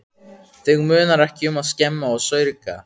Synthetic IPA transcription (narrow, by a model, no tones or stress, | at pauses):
θɪɣmʏːnaɾɛhcɪʏmaðscɛmːaɔɣsœːɥɾɪka̰